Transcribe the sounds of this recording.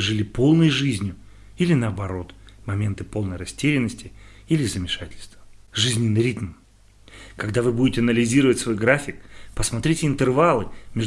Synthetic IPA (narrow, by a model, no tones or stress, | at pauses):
ʐɨlʲipo̞lˠnəjʐɨzʲnʲjʊ | ilʲɪnəɐbɐɾo̞t̪mɐmʲe̞nt̪ɨpo̞lˠnəjrɐsʲtʲeɾʲɪnːəsʲtʲɪilʲɪzəmʲɪʂatʲɪlʲst̪və̥ʐɨzʲnʲɪnːɨɾʲit̪m | kɐɡd̪avɨbudʲɪtʲɪɐnəlʲɪzʲiɾəvətʲsvo̞jɡɾafʲɪkpəsmɐt̪ɾʲitʲɪɪnt̪ɨrvalˠɨmʲɪʐ